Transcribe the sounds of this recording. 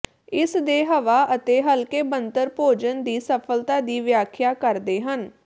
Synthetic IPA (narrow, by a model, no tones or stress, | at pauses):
ɪsd̪eːɦəʋaːʔət̪eːɦəlkeːbənt̪əɾpoːd͡ʒənd̪iːsəpʰəlt̪aːd̪iːʋɪjaːkʰjaːkəɾd̪eːɦən